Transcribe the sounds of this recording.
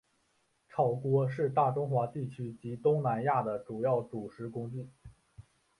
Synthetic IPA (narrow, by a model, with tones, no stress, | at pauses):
ʈ͡ʂʰɑ˨˩ʊkwɔ˧˥ʂɻ̩˥˧t̪a˥˩ʈ͡ʂʊ˥ŋxwa˧˥t̪i˥˩t͡ɕʰy˥t͡ɕi˧˥t̪ʊ˥ŋna˧˥nja˥˩d̪ə˩ʈ͡ʂu˨˩jɑ˥˩ʊʈ͡ʂu˨˩ʂɻ̩˧˥kʊ˥ŋt͡ɕi˥˩